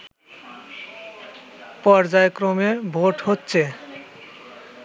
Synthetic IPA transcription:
pɔɾd͡ʑaekɾomebʱoʈhotːɕʰe

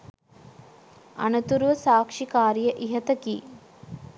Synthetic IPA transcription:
ɐ̰nɐt̪uɾʋɐsaːkʂikaːɾjɐʔiɦɐt̪ɐki

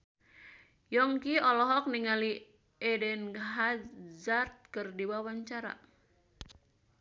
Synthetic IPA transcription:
jɔŋkiɔlɔɦɔk̚niŋali | ɛdɛnɦazart̪̚kɨrdiwawaɲt͡ʃaɾa̰

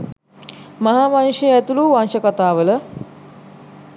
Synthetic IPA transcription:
mɐɦaːmanuʃeɛt̪uluʋanʃəkat̪aːʋələ

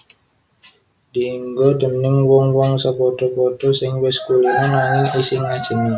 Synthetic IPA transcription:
d̥iŋɡɔdə̤mnɪŋwɔŋwɔŋsəpɔt̪ɔpɔt̪ɔsɪŋwɪskulaŋnaniʔisɪŋad̥ʒ̥ə̤na

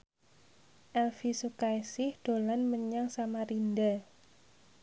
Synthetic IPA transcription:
ʔɛlfisukajsɪhd̪̥o̤lanməɲaŋsamaɾind̪a

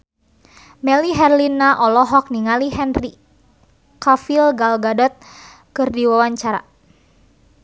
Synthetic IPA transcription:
mɛliɦɛrlinːaʔɔlɔɦɔk̚niŋaliɦɛnri | kafilɡalɡadɔt̪̚ | kɨrdiwawaɲt͡ʃaɾa̰

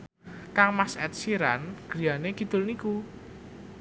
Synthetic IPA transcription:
kaŋmasɛ̰t̪̚siɾa̰nɡ̥ɾi̤janekid̪̥ʊ̤lniku

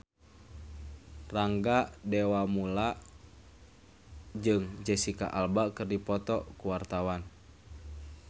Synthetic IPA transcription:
raŋɡadɛwamulaʔ | d͡ʒɨŋd͡ʒɛsika̰ʔalbakɨrdipɔt̪ɔkuwart̪awan

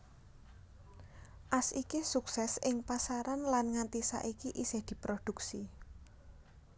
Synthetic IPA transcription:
ʔasikisuksɛsɪŋpasaɾanlanŋant̪isa̰ʔikiʔisɪhd̪̥i̤pɾod̪̥uksi

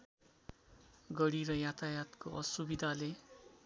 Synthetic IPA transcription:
ɡʌɽiɾʌjat̪ajat̪koʔʌsubid̪ʱale

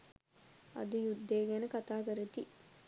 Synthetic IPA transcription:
ɐ̰d̪ujud̪ːeːɡɛnəkat̪aːkəɾet̪i

